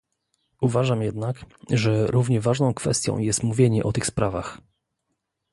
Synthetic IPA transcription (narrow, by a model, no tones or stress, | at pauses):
uvaʐamjɛd̪nakʐɛɾuvɲɛvaʐnɔ̃w̃kfɛ̰st̪jɔ̰̃w̃jɛst̪muvʲjeɲɛʔɔt̪ɘxspɾavax